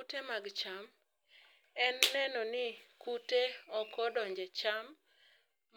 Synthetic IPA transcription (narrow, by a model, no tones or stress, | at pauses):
utemaɡt͡ʃam | ɛnːɛnɔnɪkuteɔkɔdɔɲd͡ʒet͡ʃam